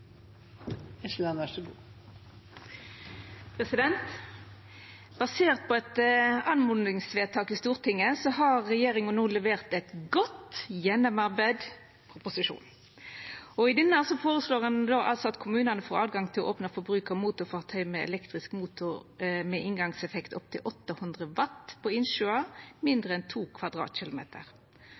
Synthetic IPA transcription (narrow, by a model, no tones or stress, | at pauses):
ɛslɑnæʂəɡṵː | pʰʁɛsɪd̪ɛnt̪ | b̥ɑseːʁt̪̚pʰɔɛt̪ɑnmʊnɪŋsʋeːt̪ʰɑːkiːst̪uːʁt̪ʰɪŋːəsɔɦɑʁːɛjeːɾɪŋənnuːlɛʋeːʁt̪ɛt̪ɡɔt̪jɛnɔmɑʁbæːd̪ | pʰʁʊpʊsɪʃṵːn | ɔɪd̪ɛnːəɑsɔfoːʁəsloːʁɑnd̪oʔɑ̰lt̪sɔɑt̪kʰʊmʉːnɑnəfoːɾɑ̰ːd̪ɡɑŋt̪ʰɪlɔ̰ʔoːpnɑfɔɾbɾʉːkɑmuːt̪ʊfɑʁt̪ʰœʏmɛɛ̰lɛkt̪ʁɪskmuːt̪ʊɾmɛʔɪŋɡɑŋsɛfɛkt̪ʰɔp̚t̪ʰɪlʔɔt̪ːəhʉnd̪ʁəʋɑt̪ːpʰɔɪnʃʉɑmɪnd̪ʁəɛnt̪ʰuːkʰʋɑd̪ʁɑ̰ːt̪ɕɪlʊmḛːt̪ʰə̰ʁ